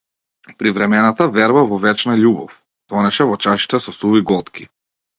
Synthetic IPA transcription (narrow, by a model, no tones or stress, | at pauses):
pɾivɾɛmɛnat̪avɛɾbavɔvɛt͡ʃnaʎubɔ̰f | d̪̥ɔnɛʃɛvɔt͡ʃaʃi̥t̪ɛsɔsuviɡɔt̪kʰi̥